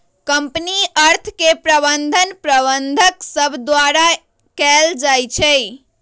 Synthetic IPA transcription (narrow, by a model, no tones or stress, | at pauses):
kəmpniəɾt̪ʰkepɾəbənd̪ʱənpɾəβənd̪ʱəksəbʱd̪waɾa | kɛld͡ʒajt͡ʃʰɛ